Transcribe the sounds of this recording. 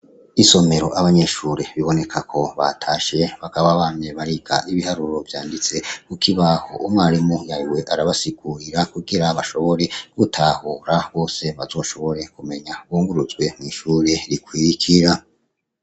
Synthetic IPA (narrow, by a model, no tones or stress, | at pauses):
iso̞me̞ɾo̞ʔaβaɲe̞ːʃuːɾe̞βiβo̞ne̞kʰakʰo̞βa̰tʰaːʃe̞βakaβaβaːmeβaɾiɡa̰ʔiβihaɾuɾo̞vjaːndit͡se̞kukʰiβaho̞̰umŋaːɾimujaiwe̞ʔaɾaβasiɡ̥uɾiɾakuɡiɾaβaʃo̞βo̞ɾe̞ɡ̥utʰahuːɾaβo̞ːse̞βazo̞ːʃo̞βo̞ɾe̞kume̞ɲaβuːŋɡuɾuzɡwe̞niʃuːɾe̞ɾikwikʰiɾa